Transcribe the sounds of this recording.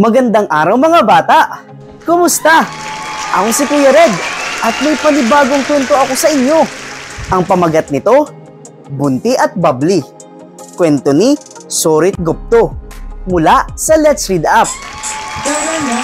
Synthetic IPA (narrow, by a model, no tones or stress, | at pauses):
mɐɡɐnd̪aŋʔaːɾɐwmɐŋabaːt̪aʔ | kʊmʊst̪a | ʔɐko̞sɪkʊjɐɾɛd̪ʔɐt̪̚mɐjpɐlɪbaːɡoŋkwɛnt̪o̞ɐko̞sɐʔɪɲjo̞ʔɐŋpɐmɐɡɐt̪̚nɪt̪o̞ | bʊnt̪iʔɐt̪̚babli | kwɛnt̪oni | soɾɪt̪̚ɡop̚t̪omʊlaʔsɐlɛt̪sɹid̪ap̚ː